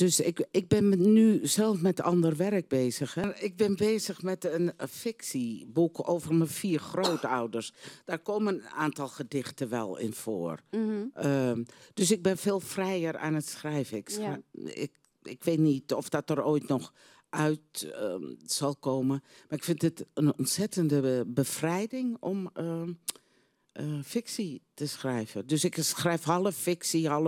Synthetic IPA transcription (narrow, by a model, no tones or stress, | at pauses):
d̥øsɪkɪɡ̚bɪnnyzɛlˠfmɛtɔndərʋɛrək̚beːzəxɛrɪk̚bɪnbeːzəxmɛtənfɪksibukʰo̰ːvərməfiːrxroːtɔwdərsd̥aːrkoːmənaːntɑlˠxədɪxtəʋɛ̰lˠɪ̰nfo̰ːrəd̥øsɪɡ̚bɪnfeːlˠfrɛjəra̰ːnətsxrɛjvəɪksɪ̰k | ɪkʋeːtnitɔfd̥ɔtəroːjtnɔx | ʔœɥt | sɔlˠkoːməmarɪkfɪntdɪtənɔ̰ntsɛtəndəbəfrɛjdɪŋɔmə | ʔəfɪksitəsxrɛjvədøsɪksxrɛjfhɔlˠəfɪksiɔlə